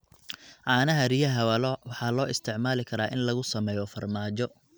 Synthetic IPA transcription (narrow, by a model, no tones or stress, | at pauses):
ʕɑːnɐɦɐrijɐɦɐwɐlɔwɑħɑːlɔːʔɪst̪ʰɪʕmaːlɪkʰɐɾaːʔɪnlɐɣʊsɐmɛːjɔfɐrmaːt͡ʃɔ